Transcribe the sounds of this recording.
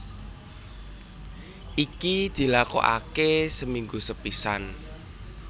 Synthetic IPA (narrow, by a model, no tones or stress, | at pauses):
ʔikid̪̥i̤lako̰ʔa̰kesəmiŋɡusəpisan